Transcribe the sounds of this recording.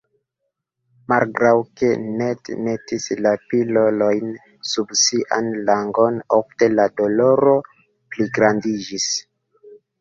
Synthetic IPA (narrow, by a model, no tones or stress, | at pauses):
malɡɾawke̞netnetislapilo̞lojn | subsiʔa̰nlaŋɡo̞nofte̞lado̞lo̞ɾo̞ | pliɡɾandid͡ʒis